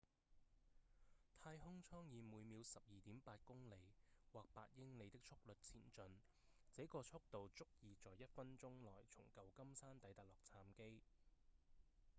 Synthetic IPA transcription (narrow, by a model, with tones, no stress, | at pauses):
t̪ʰaː˧jɦʊ˥ŋt͡ʃʰɔː˥ŋjiː˨˧muː˨˧jmiː˨˧wsɐ˨p̚jiː˨t̪iː˨˥mpaː˧t̚kʊ˥ŋle˨˧jwaː˨k̚pa̰ː˧t̚jɪ˥ŋle˨˧jt̪ɪ˥k̚t͡ʃʰʊ˥k̚lɵ˨t̚t͡sʰḭː˨˩nt͡ʃɵ˨n | t͡sɛ˨˥kɔː˧t͡sʰʊ˥k̚t̪o˨wt͡sʊ˥k̚jiː˨˧t͡sɔː˨jɐ˥t̚fɐ˥nt͡sʊ˥ŋlɔː˨˩jt͡sʰʊ̰˨˩ŋkɐ˨wkɐ˥msaː˥nt̪ɐ˨˥jt̪aː˨˩lɔː˨k̚t͡sʰaː˧mke˥j